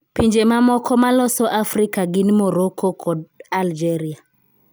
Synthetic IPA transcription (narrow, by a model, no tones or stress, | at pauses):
piɲd͡ʒemamɔkʰɔmalɔsɔʔafɾikaɡɪnimoɾokʰɔkʰɔdald͡ʒɛɾia